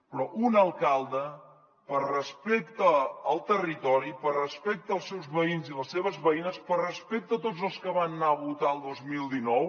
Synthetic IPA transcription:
pɾɔʔunəlˠkalˠd̪ə | pərəspekt̪əːlˠt̪ərit̪ɔɾipərəspɛk̚t̪əːlˠsɛwzβəinziləsːeβəzβəinəspərəspek̚t̪ət̪od͡zəlˠskəβanːaəβut̪aəlˠd̪ozmilˠd̪inɔw

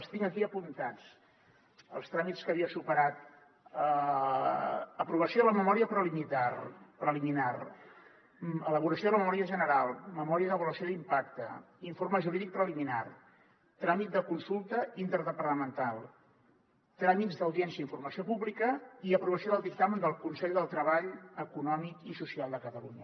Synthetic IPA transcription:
əst̪iŋəkiəpunt̪at͡s | ə̰lˠst̪ɾamiskəβiəsupəɾat̪̚ | ə | əpɾuβəsioðələməmɔɾiəpɾəlimiarpɾəliminar | ələβ̞uɾəsjoðələməmɔɾiəʒənəɾalˠməmɔɾiəðəβuləsioðimpakt̪ə̰ | iɱforməʒuɾiðik̚pɾəlimina̰r | t̪ɾamit̪̚d̪əkunsulˠt̪əint̪əɾðəpəɾt̪əmənt̪alˠ | t̪ɾamit̪zd̪əwðiɛnsiəiɱfurməsiopuβlikəiəpɾuβəsioðəlˠd̪ik̚t̪amənd̪əlˠkunsɛʎd̪əlˠt̪ɾəβaʎəkunɔmikisusialˠd̪əkət̪əluɲə

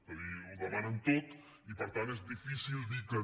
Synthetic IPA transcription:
kəβiuðəmanənt̪ot̪ | ipəɾt̪anezðifisilˠd̪ikə

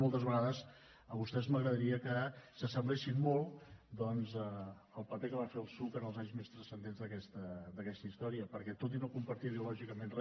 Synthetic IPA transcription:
olˠt̪əzβəɣaðəs | əβust̪ɛzməɣɾəðəɾiəkəsəsəmblesimmolˠd̪ɔnzə | əlˠpəpekəβafeəlˠsukənəlˠzaɲzmest̪ɾəsənd̪enzðəkɛst̪əd̪əkɛst̪əist̪ɔɾiəpəɾkɛt̪ot̪̬inokumpəɾt̪iəβiulɔʒikəmenrɛ

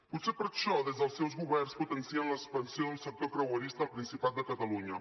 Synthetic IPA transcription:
put̪sepəɾʃɔðɛzðəlˠsːɛwzɣuβɛrnsput̪ənsiənləkspənsioðunsək̚t̪okɾəwəɾist̪əːlˠpɾinsipat̪̚d̪əkət̪əluɲə

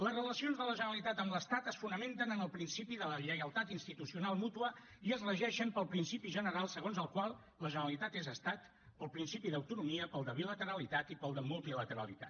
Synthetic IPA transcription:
ləzrələsionzðələʒənəlit̪at̪əmləst̪at̪əsfunəment̪ənənəlˠpɾinsipiðələʎəjəlˠt̪at̪inst̪it̪usiunalˠmut̪uə | iəzrəʒɛʃəmpəlˠpɾinsipiʒənəɾalˠsəɣ̞onzəlˠkwalˠ | ləʒənəlit̪at̪ezəst̪at̪ | pəlˠpɾinsipiðəwt̪unumiəpəlˠd̪əβilət̪əɾəlit̪at̪ipəlˠd̪əmulˠt̪ilət̪əɾə̰lḭt̪a̰t̪

